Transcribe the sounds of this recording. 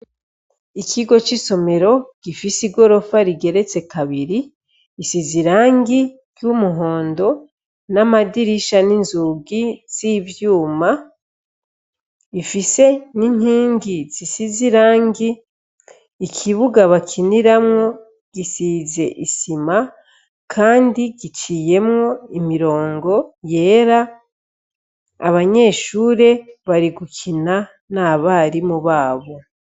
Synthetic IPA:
ikʰiɡo̞t͡ʃiso̞me̞ɾo̞ɡ̥ifisiɡo̞ɾo̞faɾiɡe̞ɾe̞t͡se̞kaβiɾiː | siziɾaːŋɡi | ɾjumuɦo̞ːndo̞ | namadiɾiʃaninzuɡiz̥ivjuːma | ifise̞nin̥hiːŋɡiz̥isiziɾaːŋɡi | kʰiβuɡaβakʰiniɾamŋo̞ | ɡ̥isize̞̰ʔisima | kʰaːndiɡit͡ʃiːje̞mŋo̞imiɾo̞ːŋɡo̞je̞ːɾa | βaɲe̞ːʃuːɾe̞βaɾiɡukʰina | naβaːɾimuβaːβo̞

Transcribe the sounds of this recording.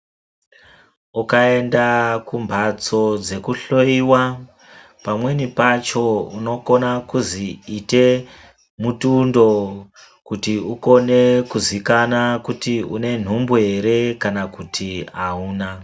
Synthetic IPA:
ukae̞ndakumbʱat͡so̞d͡ze̞kuɬo̞iwa | pamwe̞nipat͡ʃo̞uno̞ko̞nakuziːte̞ | mutundo̞ | kutiuko̞ne̞kuzikanakutiṵne̞n̤umbue̞ɾe̞kanakutʰiauːna

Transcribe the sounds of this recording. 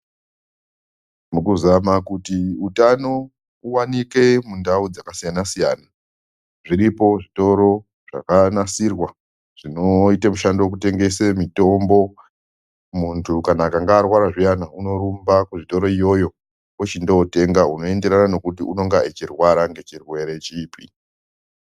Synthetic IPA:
mukuzamakutiutano̞ | uwanike̞mundaud͡zakasijanasija̰ːna | ʐiɾipo̞ʐito̞ɾo̞ | ʐ̥a̰kanasirwa | ʐ̥ino̞itamuʃandewok̬ute̞ŋɡe̞semito̞mbo̞ | muntʰukanaːkaŋɡaːrwaɾaʐijanauno̞ɾumbakuʐito̞ɾo̞ijo̞jo̞ | wot͡ʃindoːte̞ŋɡauno̞e̞nde̞ɾanano̞kutiʔuno̞ŋɡaet͡ʃirwaɾaŋɡe̞t͡ʃirwe̞ɾe̞t͡ʃiːpʰḭ

